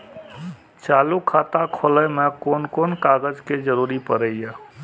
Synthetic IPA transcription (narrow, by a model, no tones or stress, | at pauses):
t͡ʃaːlukʰat̪akʰoləmẽkoːnkonkaɡəd͡ʒked͡ʒəɾuːɾipəɾəije